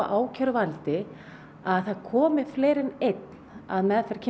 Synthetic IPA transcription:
ʔaːwcʰœɾvalt̪ɪ | aðθaðkʰɔːmɪfleːjɾɪnejt̪na̰ðmɛðfɛɾ̥cʰɪ

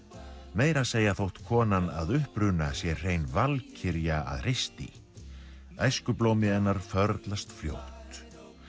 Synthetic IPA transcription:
meːjɾaseːjaθowht̪kʰɔːnanaðʏhpɾʏnasjɛr̥eːjnvalcʰɪɾjaa̰ðr̥ɪst̪ḭ | ajskʏplowmɪɛnːaɾ̥fœɾt̪last̪fljo̰ːwht̪

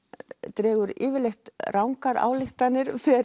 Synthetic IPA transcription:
t̪ɾɛːɣʏɾɪːvɪɾlext̪rʔawŋkaɾa̰ːwlɪxt̪anːɪɾ̥fɛ

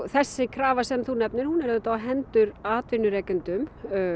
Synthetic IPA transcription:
θɛsːɪkʰɾaːvasɛmθunɛpnɪɾ̥hunɛɾðʏt̪aːɦɛnt̪ʏɾaːt̪vɪnʏɾɛːkʏnt̪ʏm

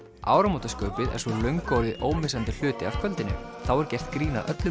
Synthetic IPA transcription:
a̰ːwɾamoːt̪askœːɥpɪðɛ̰̥svɔlœɥŋkowðɪʔoːwmɪsant̪ɪl̥ʏːt̪ɪaɾ̥kʰvœlt̪ɪnːɪ̰ | θawɛɾcɛr̥t̪kɾiːna̰ʔœt̪lʏ

